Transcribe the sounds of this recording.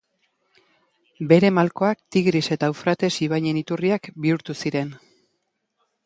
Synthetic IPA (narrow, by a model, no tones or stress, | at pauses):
be̞ɾe̞malko̞akt̪iɣɾise̞t̪auwfɾat̪e̞siβ̞ajɲe̞nit̪uriakbiuɾt̪usiɾe̞n